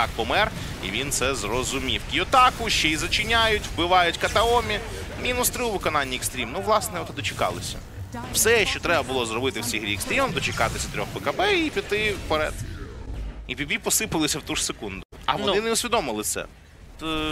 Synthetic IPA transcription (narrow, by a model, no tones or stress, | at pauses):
ɑk̚pɔmɛr | ḭʋʲint̪sɛzrɔzʊmʲiwkʲɪɔt̪ɑkʊʃt͡ʃɛizɐt͡ʃɪnʲajʊtʲwbɪʋɑjʊtʲkɐt̪ɐɔmʲi | mʲinʊst̪ɾɪʊʋɪkɔnɑnʲːiɛkst̪ɾʲimnuʋlˠɑsnɛɔt̪d̪ɔt͡ʃɪkɑ̰lˠɪsʲɐ̰ | wsɛʃt͡ʃɔt̪ɾɛbɐbʊlˠɔzɾrɔbɪt̪ɪwsʲiɦɾʲiːkst̪ɾʲimɐmd̪ɔt͡ʃɪkɑt̪ɪsʲɐt̪ɾʲɔxpɛkɐbɛipʲit̪ːɪpɔɾɛ̰d̪ | ipʲibʲipɔsɪpɪlˠɪsʲɐwt̪uʐ̥sekund̪ʊɐ̰ʋɔnnɪnɛʊsʲʋʲid̪ɔmɪlˠɪt̪sɛ̰ | t̪